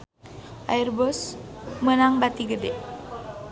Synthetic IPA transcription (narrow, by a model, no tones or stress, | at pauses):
ʔa̰irbɔsmənaŋbat̪iɡədɛʔ